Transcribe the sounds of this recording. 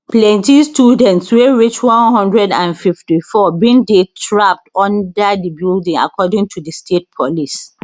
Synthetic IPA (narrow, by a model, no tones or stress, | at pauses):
plɛ̃ntistjudɛ̃ntsweɹit͡ʃwɔ̃nɦɔ̃ndɹɛdãnfiftifɔbĩndetʰɹap̚tɔ̃ndədəbildĩŋa̰kʰɔdɪ̃ŋtʰudəstʰet̚pʰɔlis